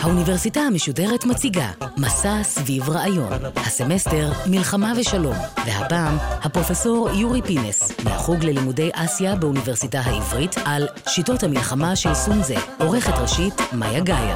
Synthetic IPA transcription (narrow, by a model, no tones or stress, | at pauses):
haunive̞ʁsitahame̞ʃude̞ʁetmat͡siɡa̰masasvivʁaʔajo̞̰nhase̞me̞ste̞ʁmilχamaveʃalo̞mve̞ha̰paːmhapʁo̞feso̞ʁjuʁipinḛsmea̰χuɡle̞limude̞jʔasjabeunive̞ʁsitaɦaivʁitʰalʃito̞thamilχamaʃelsunzḛo̞ʁe̞χetʁeʃitma̰jaɡaja̰